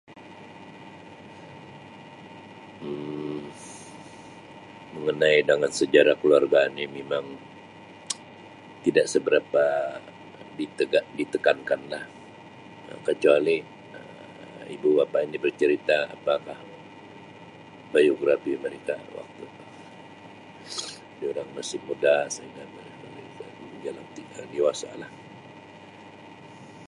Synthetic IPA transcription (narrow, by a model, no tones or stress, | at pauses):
məŋənaidaŋansəd͡ʒaɾakəluarɡanimemaŋ | t̪idaʔsəbəɾapa | dit̪əɡadit̪əkankanlah | ə̰kət͡ʃuali | ə | ḭbubapainibərt͡ʃəɾit̪a̰ːpakah | bajoɡɾafiməɾekawa̰k̚t̪u | dioɾaŋmasɪmːudasaiŋamə | məɾekaud͡ʒalaŋt̪iədiwasa̰lah